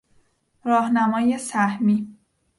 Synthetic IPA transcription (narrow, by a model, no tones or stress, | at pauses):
ɾɒːhnæmɒːje̞sæhmi